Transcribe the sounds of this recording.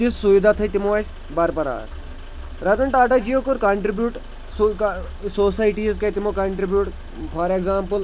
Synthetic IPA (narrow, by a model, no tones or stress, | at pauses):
t̪isːuʋid̪ʱat̪ʰɐjt̪imoɐsʲ | bɐɾpɐɾa̰ːʈ | ɾɐd̪ɐɳʈaːʈɐd͡ʒijokuɾkɐɳʈɾibjuːʈ | soːsaːjʈizkɐjt̪imokɐɳʈɾibjuːʈ | pʰɐɾeɡzaːmpəl